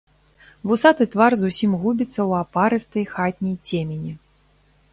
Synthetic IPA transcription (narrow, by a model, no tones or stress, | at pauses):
vusat̪ɨt̪varzusʲimɣubʲit̪sːɐwapaɾɨst̪ɐjxat̪ʲnʲijt͡sʲemʲenʲi